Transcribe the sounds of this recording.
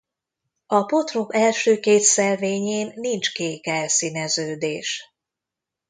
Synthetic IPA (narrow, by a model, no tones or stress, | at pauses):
ɒpo̞t̪rokɛlʃøːkeːt̪sɛlveːɲeːnːint͡ʃkeːkɛlsinɛzøːd̪eːʃ